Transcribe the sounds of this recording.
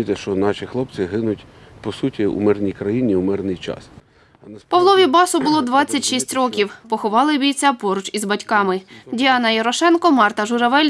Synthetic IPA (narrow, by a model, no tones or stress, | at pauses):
it̪ɛʃt͡ʃɔnɑʃʲixlˠɔpt͡s̪ʲɪɦɪnʊtʲ | pɔsutʲiṵmɪrnʲijkɾɐjinʲiumɪrnɪjt͡ʃɑ̰s | nɛpɐʋlˠɔʋʲibɑsʊbʊlˠɔd̪ʋɑt͡sʲːɐtʲʃisʲtʲrɔkʲiwpɔxɔʋɑlˠɪbʲijt͡sʲapɔɾʊt͡ʃizbɐtʲkɑmɪdʲiɑnɐjɐɾɔʃɛnkɔmɑrt̪ɐʒʊɾɐʋɛlʲ